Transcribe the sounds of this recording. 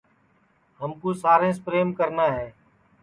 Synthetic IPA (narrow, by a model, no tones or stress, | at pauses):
ɦəmkuːsaːɾẽːspɾeːmkəɾnaːɦeː